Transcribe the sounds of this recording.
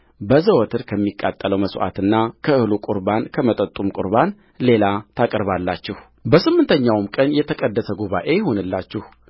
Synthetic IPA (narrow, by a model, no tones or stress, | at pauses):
bəzəwɔt̪ʰɨɾkʰəmːikʼːa̰t̪ʼːələwməsʔa̰t̪ɨnːakʰəɨhlukʼuɾbankʰəmət̪ʼət̪ʼumkʼʊ̰ɾβan | le̞lat̪ʰakʼəɾβalːat͡ʃːɪh | bəsɨmːɨnt̪ʰəɲːawmkʼənjɛt̪ʰəkʼəd̪ːəsəɡuβa̰ʔe̞jɛho̞nɨlːat͡ʃːɪh